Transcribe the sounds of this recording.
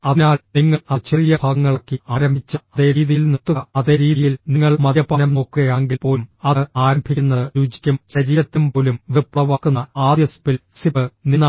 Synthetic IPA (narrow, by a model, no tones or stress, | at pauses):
ɐðinaːlniŋːɐɐt͡ɕerijɐbʱaːɡɐŋːɐɭokːɨaːɾɐmbʱit͡ɕːɐɐðeːɾiːðijilnet̪ːuɣɐɐðeːɾiːijilniŋːɐɭmɐðjɐpːɐnɐmno̞ːkːuɣɐjaːŋɡilpo̞ːmɐaːɾɐmbʱikʲːunːɐðɨɾuːd͡ʑi̥kʲːɐmɕɐɾiːɾɐt̪ːumpo̞ːlumʋiprɐʋɐkːunːɐaːd̪jɐsɐpilsipɨninːa